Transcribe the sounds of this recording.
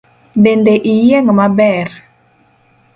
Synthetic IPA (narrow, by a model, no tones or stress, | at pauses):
dɛndeʔijeŋəmabɛr